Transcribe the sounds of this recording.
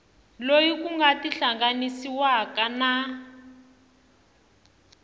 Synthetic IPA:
lojikuŋɡatiɬaŋɡanisiwakana

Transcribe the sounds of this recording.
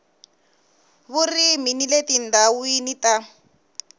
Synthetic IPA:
βuriminiletin̩dawuinita

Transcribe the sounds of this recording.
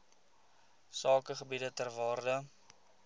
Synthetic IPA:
sɑːkəχəbidətərvɑːrdə

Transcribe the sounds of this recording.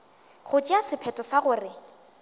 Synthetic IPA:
χʊt͡ʃʼiasɪpʰɛtʼɔsaɣʊrɪ

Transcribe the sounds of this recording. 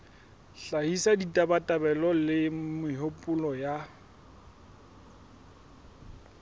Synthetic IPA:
ɬahisaditʼabatʼabɛlɔlɪmɪɦopʼʊlɔja

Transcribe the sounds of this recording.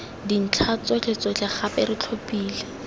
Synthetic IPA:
din̩t͡ɬʰat͡sɔt͡ɬeɪt͡sɔt͡ɬaχapɪɾɪt͡ɬʰopʼiːlɛ

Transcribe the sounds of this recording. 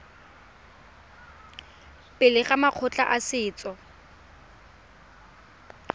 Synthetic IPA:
pʼɪlɪχamaq͡χʰʊt͡ɬʼa̰ʔasɪːt͡sʼɔ

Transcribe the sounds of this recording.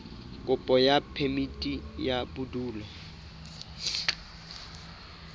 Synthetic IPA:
kʼʊpʼɔjapʰemitʼijabuduːlɔ

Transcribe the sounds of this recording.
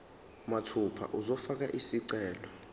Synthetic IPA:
matʰupʰa̰ʔuzɔfak̬aʔisiǀɛːlɔ

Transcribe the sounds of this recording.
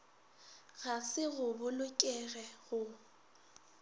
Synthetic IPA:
ɣasɪɣʊbʊlʊkʼɛɣɛɣʊ

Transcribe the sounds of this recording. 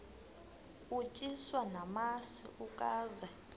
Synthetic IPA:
ut͡ʃʼiswanamasḭʔukʼaːzɛ

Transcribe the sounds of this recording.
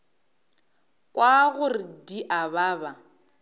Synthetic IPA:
kʼwaɣʊrɪdiʔabaːba

